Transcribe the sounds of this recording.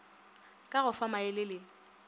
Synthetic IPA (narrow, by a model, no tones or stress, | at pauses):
kʼaɣʊfamaɪlɪlɪ